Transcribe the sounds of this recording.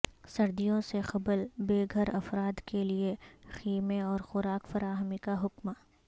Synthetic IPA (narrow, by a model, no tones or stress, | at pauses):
sɐɾd̪ijõsexɐblbeːɡʱɐɾɐfɾaːd̪keliexiːmeɔːɾxʊɾaːkfɐɾaːɦmikaɦʊkmaː